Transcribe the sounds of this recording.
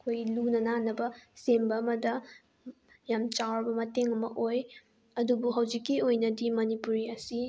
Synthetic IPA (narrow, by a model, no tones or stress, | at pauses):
ɐkʰojlunɐnanɐbɐsembɐːmɐdɐ | jamt͡ʃawɾbɐmɐteŋɐmɐʔoj | ɐdubuɦɐwd͡ʒikːiojnɐdimɐnipuɾiɐsi